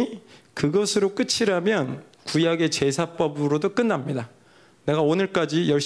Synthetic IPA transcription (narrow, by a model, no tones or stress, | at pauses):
kɯɡʌsʰɯɾok͈ɯt͡ɕʰiɾamjʌn | kujaɡe̞t͡ɕe̞sʰap͈ʌbɯɾodok͈ɯnːamɲida | ne̞ɡaonɯɭk͈ad͡ʑijʌɭɕ͈